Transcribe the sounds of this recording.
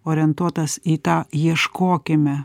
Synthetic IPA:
oːɾʲɪɛnt̪uɔt̪ɐsiːt̪ɑːjiɛʃkoːkʲɪmʲɛ

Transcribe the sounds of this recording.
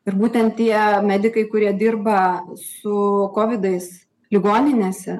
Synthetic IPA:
ɪɾbuːt̪ʲɛnt̪tʲiɛmʲæːd̪ʲɪkɐɪkʊɾʲiɛd̪ʲɪrbɐsʊkoːʋʲɪd̪ɐɪs | lʲɪɡoːnʲɪnʲeːsʲɛ

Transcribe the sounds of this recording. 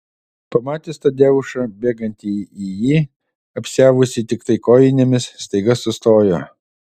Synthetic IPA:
pɐmɑːt̪ʲɪst̪ɐd̪ʲeːʋʊʃɐbʲeːɡɐnʲt̪ʲiijiː | ɐpʲsʲæːʋʊsʲɪt̪ʲɪkt̪ɐɪkoːjɪnʲemʲɪsːt̪ɐɪɡɐsːʊst̪oːjoː

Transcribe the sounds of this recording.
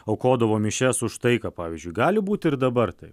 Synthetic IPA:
oʊkoːd̪ɐʋoːmʲɪʃʲɛsʊʃt̪ɐɪkɑːpɑːʋʲizʲd͡ʒʲʊɪɡɑːlʲɪbuːt̪ʲɪɾd̪ɐbɐrt̪ɐɪp

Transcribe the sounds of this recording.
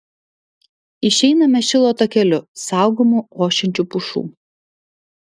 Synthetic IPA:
ɪʃʲɛɪnɐmʲɛʃʲɪlˠoːt̪oːkʲɛlʲʊsɑˑʊɡomuoːʃʲɛnʲt͡ʃʲuːpʊʃṵː

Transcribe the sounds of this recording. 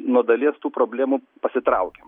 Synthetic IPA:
nuɔd̪ɐlʲiɛst̪uːpɾoːbʲlʲæːmuː | pɐsʲɪt̪ɾɐʊkʲem

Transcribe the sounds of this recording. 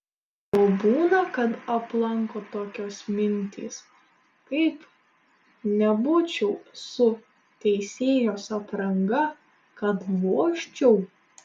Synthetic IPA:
oːbuːnɐkɐt̪ɐplˠɐŋkoːt̪oːkʲoːsmʲɪnʲt̪ʲʰḭːs | kɐɪp | nʲɛbʊt͡ʃʲɛʊsʊ | t̪ʲɛɪsʲeːjoːsɐpɾɐŋɡɐ | kɐt̪ʋoɔʃʲt͡ʃʲɛʊ

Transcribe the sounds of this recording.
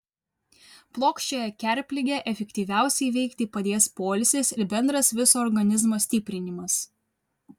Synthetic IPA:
plˠoːkʃʲt͡ʃʲoːjɛkʲɛˑɾʲˑpʲlʲɪɡʲɛʔɛfʲɛkʲt̪ʲiːʋʲæˑʊsʲɛɪʋʲɛɪkt̪ʲipɐd̪ʲeːspoːlʲsʲesɪɾbʲɛnd̪ɾɐsʋʲɪsoːɾɡɐnʲɪzmoːsʲt̪ʲɪpʲɾʲɪnʲɪmɐs

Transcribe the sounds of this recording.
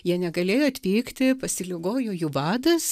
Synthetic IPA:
jiɛnʲɛɡɐlʲeːjoːɐt̪ʲʋʲiːkt̪ʲɪpɐsʲɪlʲɪɡoːjoːjuːʋɑːd̪ɐs

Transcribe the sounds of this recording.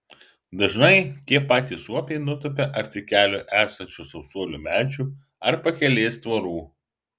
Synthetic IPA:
d̪ɐʒnɐɪt̪ʲiɛpɑːt̪ʲiːsuɔpʲɛɪnʊt̪ʊpʲɛʔɐɾʲt̪ʲɪkʲæːlʲoʔæːsɐnʲt͡ʃʲusɐpsuɔlʲumʲæːt͡ʃʲuː | ɐɾpɐkʲɛlʲeːst̪ʋɐɾuː

